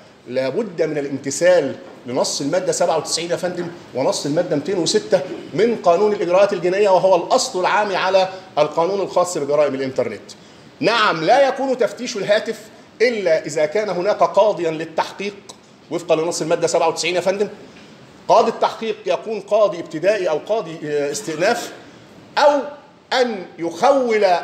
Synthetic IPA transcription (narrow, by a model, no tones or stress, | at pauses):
læːbʊd̪ːæmɪnælʔɪmt̪ɪsæːlː | ɪnɑsˤːɪlmæːd̪ːæsæbʕawt̪ɪ̥sʕiːnʔæfænd̪ɪmwɪnɑsˤːelmæːd̪ːæmit̪eːnwɪsɪt̪ːæmɪnqɑːnuːnælʔɪɡɾæʔæːt̪ɪlɡenʔɪjːæwæɦowælʔɑsˤlʊlʕaːmiʕalæʔælqɑːnuːnɪlxɑːsˤːbɪɡɑɾɑːʔɪmɪlʔɪnt̪ɑɾˤnɪ̰t̪ | naʕamlæːjækuːnt̪æft̪iːʃɪlɦæːt̪ɪf | ʔɪlːæʔɪzæːkæːnæɦʊnæːkæqɑːd̪ˤɨjænlɪt̪ːaħqiːq̚ | wefqɑlɪnɑsˤːɪlmæːd̪ːæsæbʕawt̪ɪ̥sʕiːnæfænd̪æn | qɑːd̪ˤit̪ːaħqiːqjækuːnqɑːd̪ˤiɪb̚t̪ɪd̪æːʔiʔæwqɑːd̪ˤiɪst̪ɪʔnæːf | ʔæw | ʔænjʊxæwːɪl